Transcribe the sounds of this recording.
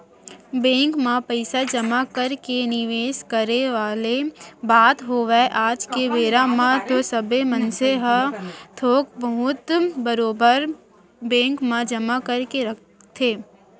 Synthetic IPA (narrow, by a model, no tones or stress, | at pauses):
bɛ̃ːŋkmãpəɪsad͡ʒəmakəɾkenɪʋeːskəɾeʋaːlebaːt̪ɦoːʋɛʔaːd͡ʒkeʋeːɾamãt̪osɐbemənseɦət̪ʰoːkbɐɦʊt̪bəɾoːbəɾ | bɛ̃ːŋkmãd͡ʒɐmakəɾkeɾɐk̚ | t̪ʰeː